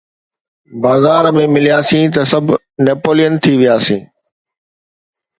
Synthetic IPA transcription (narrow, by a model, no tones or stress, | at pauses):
baːzaːɾmẽmɪlijaːsĩːt̪ɐsɐbʱ | neːpoːlijənt̪ʰiʋijaːsĩː